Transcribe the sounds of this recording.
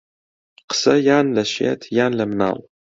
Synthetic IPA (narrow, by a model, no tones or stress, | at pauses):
qə̥sɐjaːnlɐʃḛːtʰjaːnlɐmna̰ːl